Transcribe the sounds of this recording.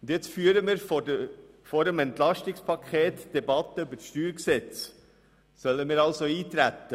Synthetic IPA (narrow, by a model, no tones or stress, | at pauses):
d̪ɪt̪fyːəɾəmɪːɾf | fɔɾəmɛnt̪lɑʃtɪkspʰɑkʰeːt̪d̥̪ɛbɑt̪ːəybəʃtyːɾksɛt͡s | sœlːəmɪːɾɑlsoiːt̪ɾæt̪ːə